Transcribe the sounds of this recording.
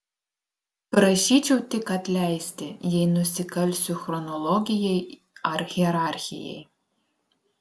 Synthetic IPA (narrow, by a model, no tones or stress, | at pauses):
pɾɐʃʲiːt͡ʃʲɛwt̪ʲɪkɐt̪ʲlʲæjsʲt̪ʲɪjɛjnʊsʲɪkɐlʲsʲʊxɾɔnɔlˠɔɡʲɪjɛj | ɐɾɣʲiɛɾɑɾʲxʲɪ̰jɛ̰j